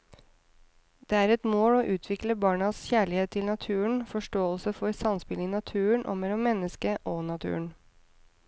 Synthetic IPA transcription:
d̪̥eːæːɾɛt̪moːloːʔʉːt̪ʰʋɪkləbɑːɳɑsçæːɭɪheːt̪ʰːɪlnɑt̪ʰʉːəɳfɔʂʈoːəlsəfɔɾsɑnspɪliːnɑt̪ʰʉːəɳʔo̰ːmɛlːɔmːɛnːəskəʔɔnɑt̪ʰʉ̰ːəɳ

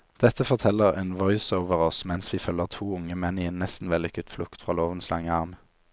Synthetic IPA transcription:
d̪̥ɛt̪ʰəfɔʁt̪ʰɛləʁḛːnʋɔʏsoʊʋəʁɔsmɛnsʋiːfœlːəʁt̪ʰuːʊŋəmɛniːeːnnɛst̪n̩ʋɛlɪkət̪flʊkt̪fʁɑːloːʋənslɑŋəɑʁm

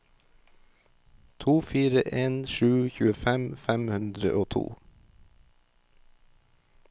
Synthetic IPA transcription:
t̪ʰuːfiːɾəʔeːnʃʉːçʉːəfɛmfæmhʉnd̪ɾə̰ʔoːt̪ʰṵː

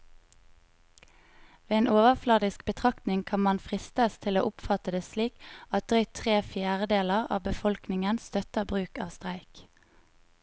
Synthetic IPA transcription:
ʋeːeːnʔoːʋəʁflɑːd̪ɪsk̚bət̪ʰʁɑkt̪nɪŋkʰɑnmɑnfʁɪst̪əst̪ʰɪloːʔʊpfɑt̪əd̪eːsliːkɑt̪̚d̪̥ʁœʏt̪ʰʁeːfjæːʁəd̪eːləʁɑ̰ːbəfɔlknɪŋənst̪œt̪əʁbʁʉːkɑ̰ːʋst̪ʁæɪk

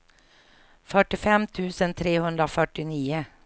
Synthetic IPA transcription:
fœʈɪfɛmt̪ʰʉːsənt̪ʰɾeːhʉnd̪ɾofœʈɪniːə

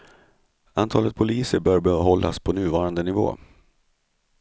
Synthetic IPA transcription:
ant̪ʰɑːlət̪̚pʰʊliːsəɾbœːɾbœɦɔlːa̰spʰɔnʉ̟ːvɑːɾand̪ənɪvo̰ː

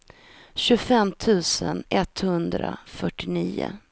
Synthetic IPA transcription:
ɕɵfɛmt̪ʰʉ̟ːsənɛt̪hɵnd̪ɾa̰fœʈːɪniːʊ̰

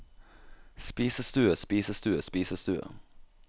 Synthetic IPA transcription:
spiːsəst̪ʉːəspiːsəst̪ʉːəspiːsəst̪ʉːə̰

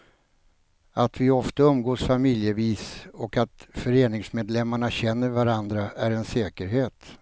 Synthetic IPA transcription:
at̪vɪɔft̪aɵmɡoːsfamɪljəviːsɔkat̪fœɾeːnɪŋsmeːd̪lɛmːaɳaɕɛnːəɾvaɾand̪ɾaæɾɛnsɛːkəɾɦeːt̪

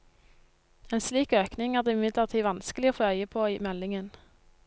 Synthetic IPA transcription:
eːnsliːkøːknɪŋæːʁd̪eːɪmɪd̪ləʁt̪ʰiːʋɑnskəlɪoːfoːœʏəpʰoːimɛlɪŋən

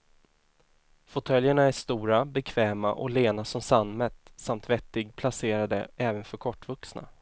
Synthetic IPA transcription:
fɔt̪ʰœljəɳaæʂt̪uːɾabɛkʰvɛːma̰ʔɔ̰leːnasɔmsanmɛt̪samt̪vɛt̪ːɪɡpʰlaseːɾad̪əʔɛːvənfœɾkʰɔʈːvɵksna̰

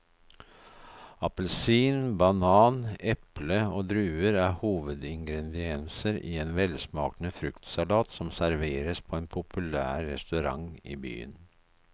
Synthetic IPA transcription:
ɑpəlsiːnbɑnɑːnɛpləoːd̪ɾʉːəɾæɾhuːʋəd̪ɪŋɡɾɛd̪ɪɛnsəɾḭːeːnʋɛlsmɑːknəfɾʉkt̪sɑlɑːt̪sɔmsæɾʋeːɾəspʰoeːnpʰʊpʉlæːɾːɛ̰st̪ʉɾɑ̰ŋḭːby̰ːə̰n

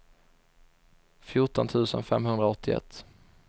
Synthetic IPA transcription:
fjʊʈɔnt̪ʰʉ̟ːsənfɛmɦɵnd̪ɾaɔt̪ʰːɪɛ̰t̪ː

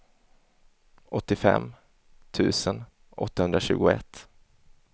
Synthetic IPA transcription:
ʔɔt̪ːɪfɛ̰mː | t̪ʰʉ̟ːsən | ʔɔ̰t̪ːahɵnd̪ɾaɕʉ̟ːɡʊɛt̪ː

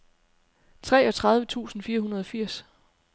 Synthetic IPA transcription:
t͡sʰʁɛːɒ̽t͡sʰʁɑ̈ð̞ˠʋət͡sʰṵːsn̩fiːɐɦunɐð̞ˠɒ̽fiɐ̰s

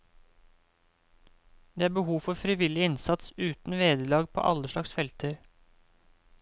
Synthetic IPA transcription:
d̪̥eːæːɾbəhuːfɔfɾɪʋɪlɪɪnsɑt̪sʉːt̪n̩ʋeːd̪əlɑːɡpʰo̰ːʔɑləʃɭɑksfɛlt̪ʰəɾ

